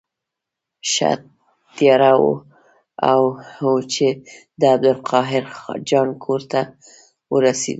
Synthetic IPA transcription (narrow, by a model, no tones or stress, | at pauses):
ʃa̰t̪ | jɑɾawo̰ | a̰wt͡ʃe | d̪əab̚d̪ʊlqʰɑɦɪɾd͡ʒɑnkʰoɾt̪a | wəɾasḛd̪u